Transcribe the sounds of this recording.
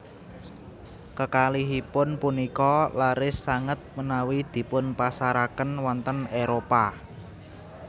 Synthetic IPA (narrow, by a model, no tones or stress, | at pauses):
kəkaliɦipʊnpunikɔlaɾɪsːaŋət̪̚mənawid̪̥i̤pʊnpasaɾakənwɔnt̪əneɾopa